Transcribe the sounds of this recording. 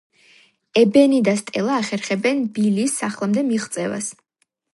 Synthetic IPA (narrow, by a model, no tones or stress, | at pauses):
ɛbɛnid̪ast̪ʼɛlˠaːχɛɾχɛbɛnbiliːsaχlˠamd̪ɛmiʁt̪sʼɛva̰s